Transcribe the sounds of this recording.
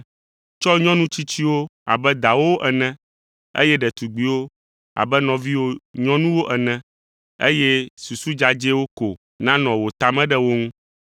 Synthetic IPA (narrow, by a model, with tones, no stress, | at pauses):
t͡ʃɔ˦ɲɔ̃˦nũ˦t͡ɕi˦t͡ɕi˦wo˦a̰˨bɛ˦d̪a˨wo˦ʔɛ˨nɛ̃˦ | ḛ˦jɛ˦ɖɛ˨t̪u˨ɡ͡bi˨wo˦ | a̰˨bɛ˦nɔ̃˨vi˦wo˦ɲɔ̃˦nũ˦wo˦ʔɛ˨nɛ̃˨˦ | ḛ˦jɛ˦su˨su˦d͡ʒa˨d͡ʒe˦wo˦ko˨ | nã˦nɔ̃˨wo˨t̪a˨mɛ̃˦ɖɛ˦wo˦ŋũ˦